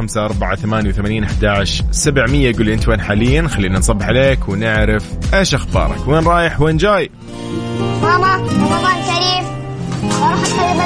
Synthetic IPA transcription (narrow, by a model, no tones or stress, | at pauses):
amsaʔɑɾˤbaʕaθamaːnjawθamaːniːnʔaħd̪aːʕʃsabʕmɪjːaɡuːlːʔɪnt̪weːnħaːlɪjːanxalːiːnansˤɑbːɪħʕaleːkwnɪʕɾɪfʔeːʃʔaxbɑ̰ːɾˤɑ̰kweːnɾˤɑːjɪħweːnd͡ʒaːj | mɑːmɑmɑlˤɑːt̪kaɾiːf | wɾˤɑːħanqalːɪm